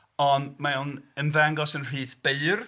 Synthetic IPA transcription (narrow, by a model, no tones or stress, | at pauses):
ɔnmaunənvɛŋɡɔsənr̥iːðb̥eɨr